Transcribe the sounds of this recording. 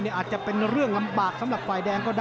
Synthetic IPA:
ni˥˩ʔːt̪̚t͡ɕa˨˩pe˧nɾɯ˥˩əŋla˧mbaː˨˩k̚sa˨˦mɾa˨˩p̚faː˨˩jdɛː˧ŋkɔː˥˩daː˥

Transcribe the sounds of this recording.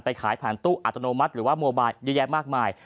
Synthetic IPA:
npa˧jkʰaː˩˦jpʰɛː˨˩nt̪uː˥˩ʔa˨˩t̪ɾa˧noː˧ma˦˥t̪̚ɾɯː˩˦waː˥˩mo˧baː˧jjɯː˧˥˩jɛː˧maː˥˩k̚maː˧j

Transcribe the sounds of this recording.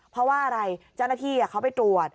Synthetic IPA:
pʰɾɔ˧˦˥waː˥˩ʔa˧ɾa˧jt͡ɕa˥˩wna˥t̪ʰiː˥˩a˨˩kʰa˦˥wpa˨jt̪ɾu˨˩ət̪̚

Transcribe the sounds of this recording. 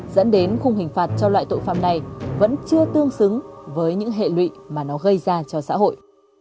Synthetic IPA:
zə̰˧˥nɗe˨˦nxʊ˧ŋ͡mhï˨˩ŋ̟faː˨˩t̚t͡ɕɔ˧lwa̰ː˧˨jt̪o̰˧˨jfa̰ː˧˨mna˨˩jvə̰˧˥nt͡ɕɨ˧ət̪ɨ˧əŋsɨ˨˦ŋvəː˨˦jɲɨ̰˧˥ŋɦḛ˧˨lwḭ˧˨maː˨˩nɔ˨˦ɣə˧jzaː˧t͡ɕɔ˧sa̰ː˧˥ɦo̰˧˨j

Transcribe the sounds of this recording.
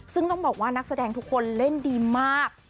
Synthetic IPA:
sɯ˥˩ŋt̪ɔ˥˩bɔː˨˩k̚waː˥˩na˦˥k̚sa˧dɛː˧ŋt̪ʰu˦˥kʰːo˧nle˥˩ndiː˧maː˥˩k̚

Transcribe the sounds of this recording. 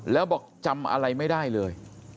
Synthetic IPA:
lɛː˦˥wbɔː˨˩k̚t͡ɕa˧mʔa̰˧ɾa˧jma˥˩jdaː˥˩jlɤː˧j

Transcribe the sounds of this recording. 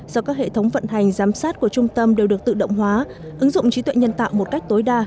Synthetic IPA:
zɔ˧kaː˦˥k̚hḛ˧˨t̪ʰə˨˦wŋ͡mvə̰˧˨nɦa˨˩jŋ̟zaː˨˦msaː˦˥t̚ku˧˩ət͡ɕʊ˧ŋ͡mt̪ə˧mɗe˨˩wɗɨ˨˩ək̚t̪ɨ̰˧˨ɗə̰˧˨wŋ͡mɦwaː˨˦ | ʔɨ˨˦ŋzʊ̰˧˨ŋ͡mt͡ɕi˨˦t̪wḛ˧˨jɲə˧nt̪a̰ː˧˨wmo˨˩t̚ka˦˥jk̚t̪o˨˦jɗaː˧

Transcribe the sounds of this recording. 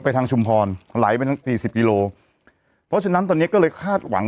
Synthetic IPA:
pa˧jt̪ʰaː˧ŋt͡ɕʰu˧mpʰɔː˧nla̰ː˩˦jpa˧jt̪ʰa˥ŋsiː˨˩si˨˩p̚kiː˧loː˧ | pʰɔ˦˥t͡ɕʰa˧na˦˥nt̪ɔː˧ni˦˥ɐkɔː˥˩lɤː˧jkʰaː˥˩t̪̚wa̰˩˦ŋ

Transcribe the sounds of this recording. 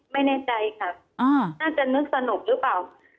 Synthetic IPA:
ma˥˩jnɛː˥˩t͡ɕa˧jkʰa˦˥˩p̚ʔaː˧˩naː˥˩t͡ɕa˨˩nɯ˥˩ək̚sa˧no˨˩k̚ɾɯ˦˥paː˨˩w

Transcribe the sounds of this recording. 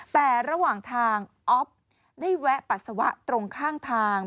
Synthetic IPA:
p̪ɛː˨˩ɾa˧waː˨˩ŋt̪ʰaː˧ŋʔɔ˦˥p̚ | ni˥˩wɛ˦˥ʔpa˨˩t̪̚sa˧wa̰˦˥ʔt̪ɾo˧ŋkʰaː˥˩ŋt̪ʰaː˧

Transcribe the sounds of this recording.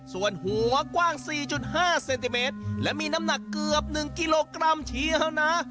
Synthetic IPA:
su˨˩ənhu˩˦ɐkwaː˥˩ŋsiː˨˩t͡ɕu˨˩t̪̚haː˥˩se˧nt̪i˧meː˦˥t̪̚lɛ˦˥ʔmiː˧na˦˥mna˨˩kːɯ˨˩əp̚nɯ˨˩ŋki˧loː˧kɾa˧mt͡ɕʰi˦˧˥əwna˦˥

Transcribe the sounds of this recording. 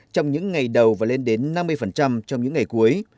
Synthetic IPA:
t͡ɕɔ˧wŋ͡mɲɨ̰˧˥ŋːa˨˩jɗə˨˩wvaː˨˩le˧nɗe˨˦nːa˧mːɨ˧əjfə˨˩nt͡ɕa˧mt͡ɕɔ˧wŋ͡mɲɨ̰˧˥ŋːa˨˩jku˨˦əj

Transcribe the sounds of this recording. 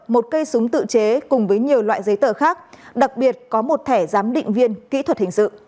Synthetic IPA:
mo˨˩t̚kə˧jsʊ˨˦ŋ͡mt̪ɨ̰˧˨t͡ɕe˨˦kʊ˨˩ŋ͡mvəː˨˦jɲi˨˩əwlwa̰ː˧˨jzə˨˦jt̪əː˧˩xaː˦˥k̚ɗa˨˩k̚ɓi˨˩ət̚kɔ˨˦mo˨˩t̚t̪ʰɛ˧˩zaː˨˦mɗḭ̈˧˨ŋ̟vi˧ənkḭ˧˥t̪ʰwə˨˩t̚hï˨˩ŋ̟sɨ̰˧˨

